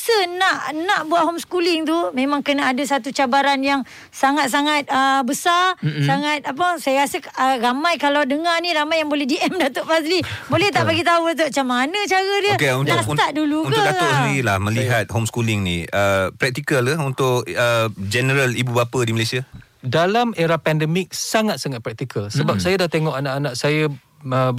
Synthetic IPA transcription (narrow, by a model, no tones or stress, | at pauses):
sənaʔnãʔbuaʔɦomskulɪŋt̪̬umẽmãŋkənaadəsat̪ut͡ʃabaɾanjaŋ | saŋat̪̚saŋat̪̚əbəsasaŋat̪̚ap̬əsajaɾasəəramajkalawdəŋarnĩɾamajːaŋbolɛhdiɛmdat̪əʔfaslibolɛht̪aʔpaɡit̪aut̪̬uat͡ʃamanə̃t͡ʃaɾədəkeunlaunt̪aʔ̚duluuk̪ʊaɡaʊʔsəndiɾilahmə̃liɦat̪̚homskulɪŋnḭəpɾɛk̚t̪ikələunt̪ʊʔəd͡ʒɛnəɾəlibubapədiməlesia | dalameɾapɛndəmɪk̚saŋat̪̚saŋat̪̚pɾɛk̚t̪ikəlsəbap̚sajadaht̪eŋɔʔanaʔanaʔsaja | ə